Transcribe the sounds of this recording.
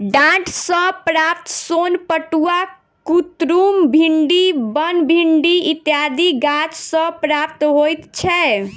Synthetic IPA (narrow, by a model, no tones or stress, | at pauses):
ɖãʈsə̃pɾap̚t̪sonpəʈua | kut̪ɾumbʱiɳɖibənbʱiɳɖiit̪jad̪iɡat͡ʃsə̃pɾap̚t̪ɦojt̪t͡ʃʰɛ